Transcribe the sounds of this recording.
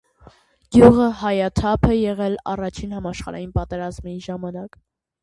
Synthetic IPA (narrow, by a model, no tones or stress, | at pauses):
ɡjuʁəɦɑjɑt̪ʰɑpʰɛjɛʁɛlɑ̰rɑt͡ʃʰinhɑmɑʃχɑ̰ɾɑ̰jinpɑt̪ɛɾɑzmiʒɑmɑnɑk